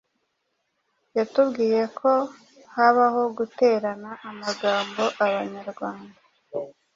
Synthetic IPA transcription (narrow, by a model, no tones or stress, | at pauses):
jatubɡiːje̞kʰo̞ | haβaɦo̞ɡute̞ɾanaʔːmaɡaːmbo̞ʔaβaɲaɾɡwaːnda